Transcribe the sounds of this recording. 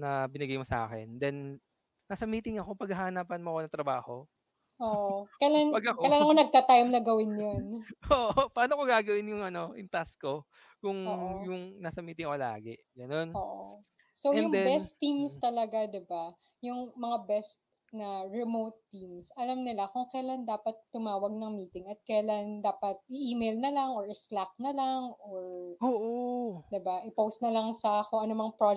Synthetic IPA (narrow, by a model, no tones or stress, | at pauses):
nɐbɪnɪɡajmosɐʔa̰ːkɛ̰nd̪ɛnː | asɐmiːt̪ɪŋɐkopɐɡɐɦaːnaːpɐnmoɐkoɐŋt̪ɾɐbaːho̞ | ʔoːʔokɐlanpɐɡɐɐjlaːnɐkonɐɡ̚kɐt̪ajmnɐɡɐwɪnjonʔoʔoʔopɐaːnokoɡaːɡɐwɪnjʊŋɐno̞ʔɪnt̪asko̞ | kʊŋjʊŋnasɐmiːt̪ɪŋɐkola̰ːɡɛʔɡɐno̞noʔ | soɛjʊŋd̪ɛbɛst̪ːimst̪ɐlɐɡad̪ɪba | jʊŋmɐŋabɛst̪̚ | nɐɹɛmowt̪ːimsʔɐlamnɪlakʊŋkɐjland̪aːpɐt̪ːʊmaːwɐɡ̚nɐŋmiːt̪ɪŋɐt̪̚kɐjland̪aːpɐt̪̚ʔɪʔiːmejlnɐlaŋoɹʔɪslak̚nɐlaŋʔoɹoʔod̪ɪbaʔɪpowst̪nɐlɐŋsɐkoʔɐnomɐŋapɹo